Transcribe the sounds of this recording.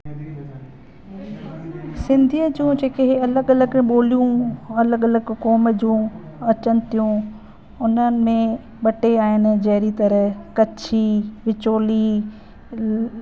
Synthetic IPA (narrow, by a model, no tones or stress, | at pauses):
sɪ̃nd̪ʱijəd͡ʑũːd͡ʑeːkeɦeɐləɡɐləɡɓoːlijũɐləɡɐləɡkoːməd͡ʑũ | ɐt͡ɕənɪ̆t̪ʰijũ | ʊn̤ənɪ̆mẽ | ɓɐʈeaːɦɪnɪ̆d͡ʑɐɦɪɾit̪ɐɾəkɐt͡ɕʰiʋɪt͡ɕoːli